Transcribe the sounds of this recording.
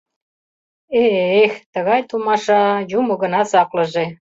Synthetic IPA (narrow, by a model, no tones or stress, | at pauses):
eext̪ə̆ɣɑjt̪umɑʃɑjumoɣə̆nɑsɑklɤ̆ʒe